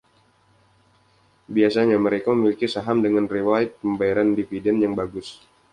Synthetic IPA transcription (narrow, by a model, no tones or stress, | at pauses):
biasaɲaməɾekaməmilikisaɦamdəŋanrewaɪt̪̚pəmbajaɾandifidɛnjaŋbaɡʊs